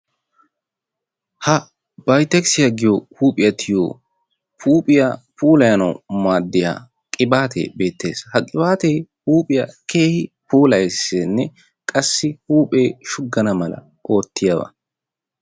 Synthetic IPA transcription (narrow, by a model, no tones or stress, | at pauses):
hɐ | b̥ɐjt̪ːɛksɪjɐɡɪjohuːpʼɪjɐt̪ʰɪjo̰ː | pʰuːpʼɪjɐpuːlɐjɐnɐwmaːd̪ːɪja̰ː | kʼɪbaːt̪ʰḛːbe̞ːt̪ːe̞̰ːshɐkʼɪbaːt̪ejhuːpʼɪjɐkʰeːhɪ | puːlɐjsenːɛ | kʼɐsːɪhuːpʼeːʃʊɡːɐnɐmɐlɐ̰ | ʔo̞ːt̪ːɪjɐbɐ̰